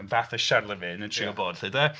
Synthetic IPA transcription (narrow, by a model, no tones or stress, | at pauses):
vaːθəʃarlˠəvɪnəntʰr̥iɔboːd̥hɨdɛ